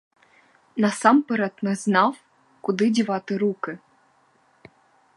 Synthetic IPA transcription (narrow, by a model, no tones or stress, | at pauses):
nɑsɑmpɨɾɑt̪nɤznɑw | kud̪ɨdʲivɑt̪ɨɾukɘ̆